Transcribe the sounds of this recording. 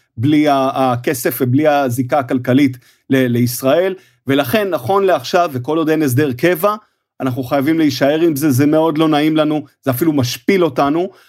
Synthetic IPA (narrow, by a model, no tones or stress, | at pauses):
bliaːke̞se̞fvebliazikakalkalit | lele̞isʁae̞l | ve̞laχe̞nːaχo̞nleaχʃaveko̞lod̪enes̬d̪eʁke̞va | anaχnuχajavimleiʃae̞ʁimze̞zemeo̞d̪lo̞naimlanuz̥eafilumaʃpilo̞tanu